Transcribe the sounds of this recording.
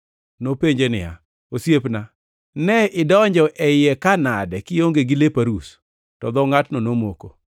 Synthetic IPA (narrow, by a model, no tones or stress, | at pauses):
nopeɲd͡ʒenɪ̰ja̰ | osjepna | nɛɪdɔɲd͡ʒɔʔɛɪɛkanadɛkɪoŋɡeɡɪlepaɾus | tɔd̪ɔŋatnonomoko̰